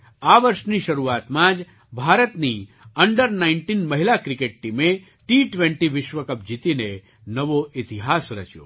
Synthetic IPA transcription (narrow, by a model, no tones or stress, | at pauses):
aʋəɾʃniʃɐɾuat̪mãd͡ʒ | bʱaːɾət̪ni | əɳɖəɾnaɪɳʈinmɐɦilakɾɪkeʈ̚ʈime | ʈiʈʋẽɳʈiʋɪʃʋəkəp̚d͡ʒit̪ine | nəʋoʔɪt̪iɦasɾə̰t͡ʃjo̰ː